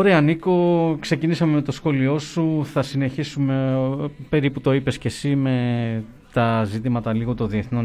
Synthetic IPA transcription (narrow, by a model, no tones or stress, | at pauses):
oɾeɐniko̞kse̞cinisɐmeme̞t̪o̞sxo̞lio̞suθɐsine̞çisume̞pe̞ɾiput̪o̞ipe̞sce̞sime̞ | t̪ɐzit̪imɐt̪ɐliɣo̞t̪o̞nðieθno̞